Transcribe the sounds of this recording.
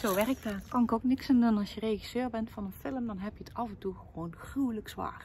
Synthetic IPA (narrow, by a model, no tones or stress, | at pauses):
z̥oːʋɛrɪk̚taːkɑnɪkoknɪksɪndunənɑlˠsjərejχisøːrbɛntfɑnənfɪləmdɑnɦɛpjətɑvɛntuχəʋownxrywləksʋa̰ːr